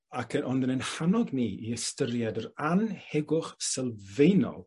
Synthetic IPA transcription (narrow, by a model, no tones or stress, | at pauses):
akʰənʔɔndənənhanɔɡniːiəstəɾjadəɾanhɛɡʊχsɛlˠvejnɔ̰lˠ